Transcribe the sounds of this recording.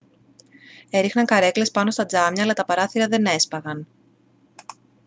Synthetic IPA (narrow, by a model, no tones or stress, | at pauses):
e̞ɾixnɐŋkɐɾe̞kle̞spɐno̞st̪ɐd͡zɐmɲɐːlɐt̪ɐpɐɾɐθiɾɐðe̞ne̞spɐɣɐn